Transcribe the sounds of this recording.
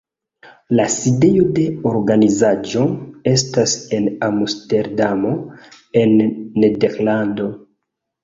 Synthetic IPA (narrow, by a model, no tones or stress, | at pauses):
laside̞jo̞de̞oɾɡanizad͡ʒo̞e̞stase̞namuste̞ɾdamo̞ | e̞nːedeɾlando̞